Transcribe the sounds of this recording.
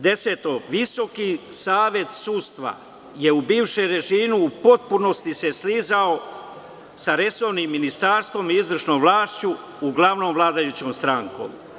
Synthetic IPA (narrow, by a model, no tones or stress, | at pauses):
d̪e̞seːt̪oʋiso̞kisaːʋe̞t̪suːst̪ʋa̰ | je̞ubiːʋʃeɾe̞ʒiːmuːpo̞t̪̚puno̞st̪ise̞sliːzao | saɾe̞so̞ʋnimːinist̪aːɾst̪ʋo̞miizvr̩ʃnoːmʋlaːʃt͡ɕuː | ɡlˠaʋno̞ːmʋlaːd̪ajut͡ɕo̞ːmst̪ɾaŋko̞̰ːm